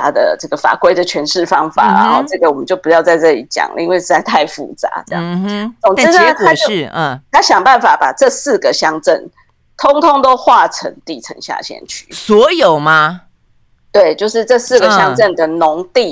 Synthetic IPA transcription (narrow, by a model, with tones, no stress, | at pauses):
a˥d̪ə̰˨ʈ͡ʂɤ˥˩ɡə˩fa̰˨˩kwe˥ɪd̪ə˨t͡ɕʰɥɛ˧˥nʂɻ̩˥˩fɑ˦˥ŋfa̰˨˩˦ɻa̰˧˦nxo˥˧ʊʈ͡ʂɤ˥˩ɡə˩wɔ˨˩mə˦t͡ɕjo˥˩ʊpu˧˩jɑ˥˧ʊt͡sa˥˧ɪʈ͡ʂɤ˥˩lḭ˨˩t͡ɕjɑ̰˨˩ŋlə̰˦i˥nwe˥˧ɪʂɻ̩˥˧t͡sa˥˧ɪt̪ʰa˥˧ɪfṵ˨˩t͡sa̰˧˦t͡sə˥˧jɑ̰˨˩ŋt͡so˨˩ŋʈ͡ʂ̩˥t̪ʰa˥˩˥t̪ʰa˥ɕjɑ˨˩ŋpa˥˩nfa˨˩pa˨˩ʈ͡ʂɤ˥˧sɹ̩˥˩ɡə˩ɕjɑ˥ŋʈ͡ʂə˥˩ŋ | t̪ʰʊ˥ŋt̪ʰʊ˥ŋt̪o˥ʊxwa˥˨ʈ͡ʂʰə̰˧˦ŋt̪i˥˨˩ʈ͡ʂʰə̰˧˥ŋɕja̰˥˩ɕjɛ̰˥˨˩nt͡ɕʰy̰˥˩swɔ˧˥jo˨˩ʊma˧ | t̪we˥˩ɪt͡ɕjo˥˧ʊʂɻ̩˥˧ʈ͡ʂɤ˥˧sɹ̩˥˩ɡə˨ɕjɑ˥ŋt͡sə˥˩nd̪ə˩nʊ˧˦ŋt̪i˥˨